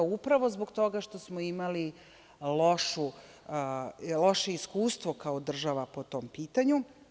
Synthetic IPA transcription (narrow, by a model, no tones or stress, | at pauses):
upɾaʋo̞zboɡt̪o̞ɡaʃt̪o̞smoimali | lo̞ʃu | lo̞ʃe̞iskuːst̪ʋo̞kaod̪r̩ʒaʋapot̪o̞ːmpiːt̪aɲu